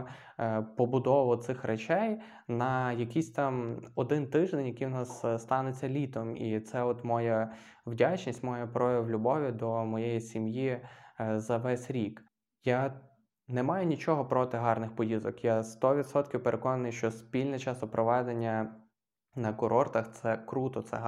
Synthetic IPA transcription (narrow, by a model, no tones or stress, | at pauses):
pɔbʊd̪ɔʋɔt̪sɪxrʔet͡ʃɛj | nɐjɐkisʲt̪ɑmɔd̪ɪnt̪ɪʒd̪enʲjɐkijwnɑsːt̪ɑnet͡sʲːɐlʲit̪ɔmḭt̪sɛɔt̪mɔjɐ | wdʲat͡ʃnʲisʲtʲmɔjapɾɔjɐwlʲʊbɔʋʲid̪ɔmɔjɛjisʲimji | zɐʋɛsʲɾʲik | ja | nɛmɑjʊnʲit͡ʃɔɦɔpɾɔt̪ɪɦɑrnɪxpɔjizɔkjast̪ɔʋʲid̪sɔt̪kʲɪwpeɾʔekɔnɐnɪjʃt͡ʃɔspʲilʲnɛt͡ʃɑsɔpɾʔɔʋɛd̪enʲːɐ | nɐkʊɾɔrt̪ɐxt̪sɛkɾut̪ɔt̪sɛ̰ɦ